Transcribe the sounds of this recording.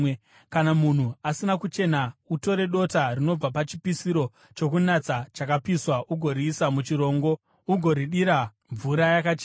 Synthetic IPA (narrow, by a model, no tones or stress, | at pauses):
kanamun̤uasinakut͡ʃe̞nauto̞ɾe̞ɗo̞tarino̞b͡vapat͡ʃipisiɾo̞ | t͡ʃo̞kunat͡sat͡ʃakapiswaʔuɡʱo̞ɾiːsamut͡ʃiɾo̞ːŋɡo̞ | uɡʱo̞ɾiɗiɾa | ɱvuɾajakat͡ʃe